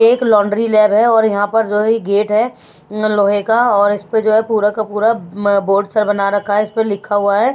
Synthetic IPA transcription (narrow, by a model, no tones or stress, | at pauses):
eːklɔ̃ːɳɖɾilɛːbɦɛɔːɾjɐɦãpɐɾd͡ʒoːɦɛiɡeːʈɦɛ | loːɦekaɔːɾɪsped͡ʒoːɦɛpuːɾakapuːɾaboːɾɖsəɾbɐnaɾɐkʰːaɦɛɪspəlɪkʰːaɦuaɦɛː